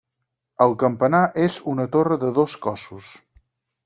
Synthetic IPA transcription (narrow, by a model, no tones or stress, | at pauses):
əlˠkəmpənaʔezunət̪orəðəðoskɔsus